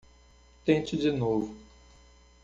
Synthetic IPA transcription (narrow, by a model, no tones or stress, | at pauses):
t̪ẽt͡ʃɪd͡ʒinovʊ